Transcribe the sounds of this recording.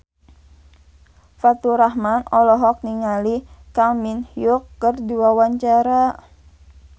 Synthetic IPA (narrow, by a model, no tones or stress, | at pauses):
fat̪uɾahmanɔlɔɦɔk̚niŋalikaminhiukːərdiwawaɲt͡ʃaɾa